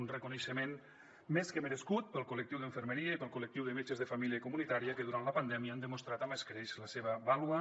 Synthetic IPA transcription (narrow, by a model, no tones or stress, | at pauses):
nrəkuneʃəmen | meskəmeɾeskut̪̚pəlˠkulək̚t̪iwðəɱfəɾmeɾiəipəlˠkulək̚t̪iwðəmet͡ʃəzðəfamiljəkumunit̪aɾiəkəðuɾant̪ləpand̪ɛmiəand̪əmust̪ɾat̪ameskɾeʃləseβ̞əβalwə